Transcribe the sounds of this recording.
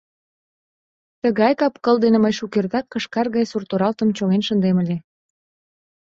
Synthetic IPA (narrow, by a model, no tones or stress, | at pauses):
t̪əɣɑjkɑpkəld̪eneməjʃukert̪ɑkːə̆ʃkɑrɣɑjsurt̪oɾɑlt̪ə̆mt͡ɕoɣenʃənd̪eməlʲe